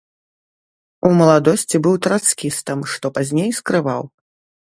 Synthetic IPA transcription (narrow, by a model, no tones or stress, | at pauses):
umɐlˠad̪ɔsʲt͡sʲibɨwt̪ɾat̪skʲist̪ɐmʂt̪ɔpazʲnʲejskɾɨvaw